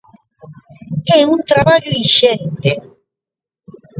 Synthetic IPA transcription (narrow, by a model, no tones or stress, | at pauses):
ɛũnt̪ɾaβaʎoiʃɛnt̪e